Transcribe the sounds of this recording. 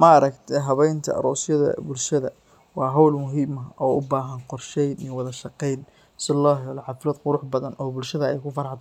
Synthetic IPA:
mɐɾɐkt̪ʰɛɦɐβɛjnt̪ʰɐ̰ɾɔːsjɐðɐ̰bʊlʃɐðɐ | wɑːɦɔwlmʊɦiːmɐɔːʊbaːɦɐnqɔrʃɛjnɪwɐðɐʃɑqɛjn | sɪlaːɦjɔlɐħɑfɪlɐd̪qʊɾʊħbɐðɐnʔɔːbʊlʃɐðɐɛjkʰʊfɐɾħd̪

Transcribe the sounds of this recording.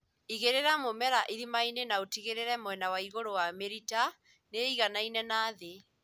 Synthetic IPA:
iɣeɾeɾamomɛɾaʔiðimainenaotiɣeɾeɾɛmwɛnawaiɣoɾowameɾita | neiɣanainɛnaːðe

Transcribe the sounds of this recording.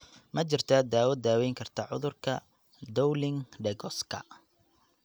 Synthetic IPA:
mɐt͡ʃɪrt̪ʰad̪aːwɐd̪aːwɛjŋkʰɐrt̪ʰɐʕʊ̰ðʊrkʰɐ | d̪ɔwlɪŋɖɛɣɔskʰɐ̰

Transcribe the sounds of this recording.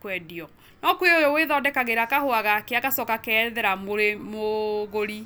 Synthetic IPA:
kwɛdiɔ | nɔkweojoweðɔdɛkaɣeɾakahoaɣakeakasɔkakɛðɛɾamoɾemoɣoɾi

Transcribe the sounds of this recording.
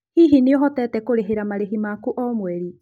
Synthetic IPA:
hiɦineɔɦɔtɛtɛkoɾeɦeɾamaɾeɦimakuʔɔmwɛɾi

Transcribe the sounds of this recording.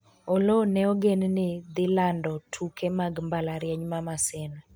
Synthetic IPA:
olonɛɔɡennɪd̪ɪlandɔtʰukʰemaɡmbalaɾjɛɲmamasɛnɔ

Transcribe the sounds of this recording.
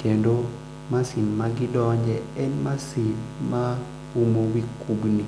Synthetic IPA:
kendo | masinmaɡɪdɔɲd͡ʒɛɛnmasinma | umowikubni

